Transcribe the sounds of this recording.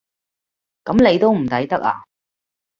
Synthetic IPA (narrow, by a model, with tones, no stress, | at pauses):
kɐ˨˥mne˨˧jt̪o˥wm̩˨˩t̪ɐ˨˥jt̪ɐ˥k̚a̰ː˨